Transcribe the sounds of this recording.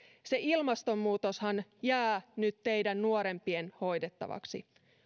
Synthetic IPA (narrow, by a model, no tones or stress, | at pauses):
se̞ilmɑst̪o̞mːuːt̪oshɑnjæːnyt̪te̞jdænːuoɾe̞mpienho̞jde̞t̪ːɑ̰ʋɑ̰ksḭ